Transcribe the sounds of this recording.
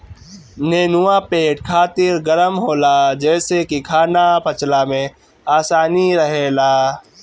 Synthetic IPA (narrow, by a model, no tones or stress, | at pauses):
neːnʊwãpeːʈkʰaːt̪ɪɾɡəɾəmɦoːlaːd͡ʒɛːsekikʰaːnapʰɐt͡ʃlamẽ | aːsaːniɾəɦeːlaː